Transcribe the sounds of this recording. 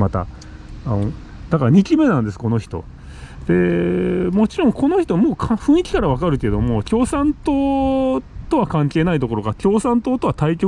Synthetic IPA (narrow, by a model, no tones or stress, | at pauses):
mat̪a̰ | d̪̥akaɾaɲ̟ikʲime̞nãnd̪e̞sɨ̥ko̞no̞çi̥t̪o̞̰ | d̪̥e̞ | mo̞t͡ɕiɾõ̞ŋkʰo̞no̞çi̥t̪o̞mo̞ːkʰãɸɯ̟̃ɰ̃ikʲi̥kaɾaβakaɾɯ̟ke̞ed̪o̞mo̞kʲo̞ːsãnt̪oː | t̪o̞βakãŋke̞ːnait̪o̞ko̞ɾoɡakʲo̞ːsãnt̪o̞ːt̪o̞βat̪aikʲo